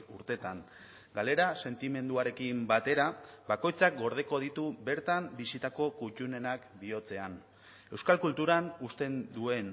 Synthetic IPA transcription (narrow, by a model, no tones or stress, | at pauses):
uɾt̪e̞t̪an | ɡale̞ɾase̞nt̪ime̞nd̪uaɾe̞kimbat̪e̞ɾabako̞jt͡sak̚ɡo̞ɾð̞e̞ko̞ðit̪ube̞ɾt̪ambisit̪ako̞kut͡ʃune̞nakbio̞t͡se̞an | e̞wskalkult̪uɾanust̪e̞nd̪ue̞n